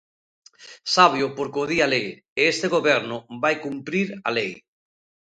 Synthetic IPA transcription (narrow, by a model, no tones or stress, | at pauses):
saβ̞jopoɾkoðialej | eest̪eɣoβɛɾnʊbajkumpɾiɾa̰lej